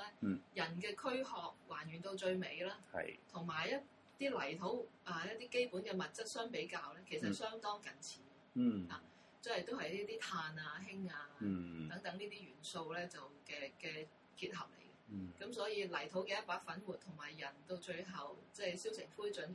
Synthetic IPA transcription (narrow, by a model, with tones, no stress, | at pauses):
lɛː˥jɐ˨˩nkɛː˧kʰɵ˥ɥhɔː˨k̚waː˨˩nɥy˨˩nt̪o˧wt͡ʃɵ˧ɥme˨˧jlaː˥ɐ̰˨jt̪ʰʊ˨˩ŋmaː˨˩jjɐ˥t̚ | t̪iː˥lɐ˨˩jt̪ʰo˨˥waː˧jɐ˥t̪iː˥ke˥jpuː˨˥nkɛː˧mɐ˨t̚t͡sɐ˥t̚sœː˥ŋpe˨˥jkaː˧wlɛː˥kʰe˨˩js̬ɐ˨t̚sœː˥ŋt̪ɔː˥ŋkɐ˨˩nt͡sʰiː˨˥ | ha̰ː˨˩ | t͡sɐ˥hɐ˨jt̪o˥wɦɐ˨jliː˥t̪iː˥t̪ʰaː˧naː˧ɦɪ˥ŋaː˧t̪ɐ˨˥ŋt̪ɐ˨˥ŋniː˥t̪iː˥jɥyː˨˩nso˧wlɛː˥t͡sɐ˨wkɛː˧kɛː˧ | kiː˧t̚ɦɐ˨p̚lḛ˨˩jkɛkɐ˨˥msɔː˨˥jiː˧lɐ˨˩jt̪ʰo˨˥wkɛ˧jɐ˥t̚paː˨˥k̚fɐ˨˥nwuː˨t̪̚ʰʊ˨˩ŋmaː˨˩jːɐ˨˩nt̪o˧wt͡ʃɵ˧ɥɦɐ˨wt͡sɛː˥˩jsi˥wsʰɪ˨˩ŋfuː˥jt͡ʃɵ˨˥n